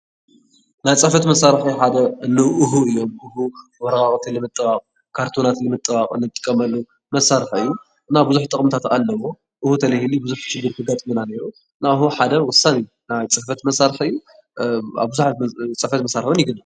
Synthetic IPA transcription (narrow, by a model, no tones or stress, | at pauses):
najt͡sʼɐfɐt̪mɐsaɾħiħad̪ɐɨnːɐʔɨɦuɨjːo̞mʔɨɦuwɔɾɐkʼaχʼt̪ʰɨlɨmɨt̪ʼːɨbaχʼ | kʰaɾt̪ʰonat̪lɨmɨt̪ʼːɨbaχʼɨ̰nːɨt̪ʼːɨ̥kʼːɐmɐlːu | mɐsaɾħɨjːu | ʔɨnːabɨzuħt̪ʼɨχʼmt̪ʰat̪alːɐwo | ʔɨhut̪ʰɐlɐhilibɨzuħʃɪɡːɨɾkʰɨɡat̪ʼmɨnaneɾu | ɨnaɨɦuħad̪ɐwʊsanij | najt͡sʼɐħfɐt̪mɐsaɾħɨjːu | a̰βbɨzuħat͡sʼɐfɐt̪mɐsaɾfɨnjɪɡɨna